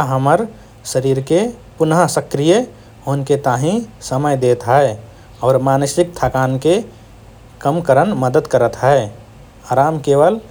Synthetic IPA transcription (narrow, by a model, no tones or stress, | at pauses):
ɦəməɾ | səɾiːɾkepʊnɦəsəkɾije | ɦoːnket̪aːɦĩsəməjd̪eːt̪ɦɛe | ɔːɾmaːnəsɪk̚t̪ʰakaːnke | kəmkəɾənməd̪əd̪kəɾət̪ɦɛe | aːɾaːmkeːʋəl